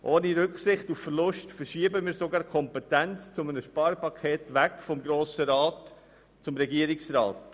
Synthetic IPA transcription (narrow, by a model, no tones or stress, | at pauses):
ʔoːniɾʏkχsɪχtuffəɾlʊʃtfəɾʃiːəbəmiːɾsoɡɑːɾkʰɔmpɛtænt͡st͡sʊmənəʃpɑːɾpɑkʰeːtʋækfɔmɡɾoːsəɾɑːt | t͡sʊmɾɛɡiəɾɪksɾɑːt